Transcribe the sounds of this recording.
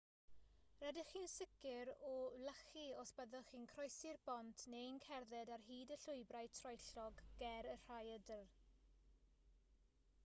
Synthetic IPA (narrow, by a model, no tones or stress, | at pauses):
rɛdɪχiːnsɪkɪɾɔləχiɔsb̥ɛðɔχiːnkʰrɔjsɪrb̥ɔntʰnenkʰɛrðɛdarɦiːdəɬʊɨbrajtʰrɔjɬɔɡːɛɾər̥ajədər